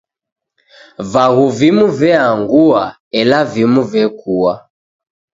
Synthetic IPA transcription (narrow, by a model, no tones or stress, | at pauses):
vaɣuvimuvɛaŋɡua | ɛlavimuvɛkʰuwa